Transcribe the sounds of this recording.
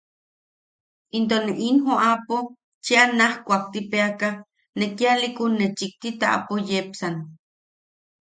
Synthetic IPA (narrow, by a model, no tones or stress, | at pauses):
int̪̬oneʔinhoʔapo | t͡ʃeanahkʷak̚t̪ipeaka | nekialikunːet͡ʃik̚t̪it̪aʔa̰pojepsan